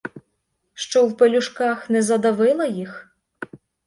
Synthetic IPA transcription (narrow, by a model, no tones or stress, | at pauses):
ʃt͡ʃɔwpelʲuʂkɑxnɛzɐd̪ɐʋɪlˠɐjix